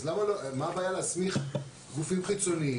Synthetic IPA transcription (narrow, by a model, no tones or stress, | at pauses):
zlamalomabaːjalasmiχ | ɡufimχit͡so̞ni